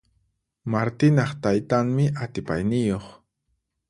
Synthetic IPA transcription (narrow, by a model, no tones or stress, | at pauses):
maɾt̪ɪnɑχt̪ajt̪aŋmɪʔat̪ɪpajnɪjoχ